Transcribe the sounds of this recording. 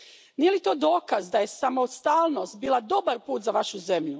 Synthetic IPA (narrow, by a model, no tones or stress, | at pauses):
nije̞lit̪oːd̪o̞ːkazd̪aje̞samost̪aːlˠnost̪̚biːlˠad̪o̞baɾpuːt̪zaʋaʃuze̞mʎu